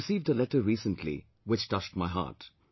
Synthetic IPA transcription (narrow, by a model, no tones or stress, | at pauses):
siːvdəlɛʈə˞ɹiːsə̃ntʰlḭ | wɪt͡ʃtʌʃtmaɪɦa̰ːʈ